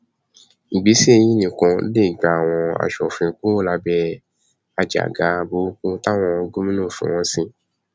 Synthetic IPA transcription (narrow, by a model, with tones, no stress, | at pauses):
ŋ̩˨ɡ͡bi˨˦si˦e˧j̃ĩ˦nĩ˨kɔ̃˧˦le˦˨ɡ͡ba˨a˨w̃ɔ̃˧a̰˨ʃɔ˨fĩ˧kũ˦o˦la˧bɛ˧ | a˧d͡ʒa̰˨ɡa˨˦˧bo˨˦kũ˦ta˦w̃ɔ̃˧ɡo˦mĩ˦nũ˦˨fṵ̃˨w̃ɔ̃˧˦sĩ˧